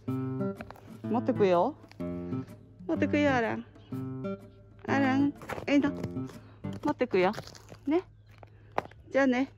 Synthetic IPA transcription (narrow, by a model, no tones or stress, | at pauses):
mɔt̪ekujo | mot̪ekɯjoaɾaŋ | a̰ɾaŋena | mɔt̪ekujɔne | d͡ʒane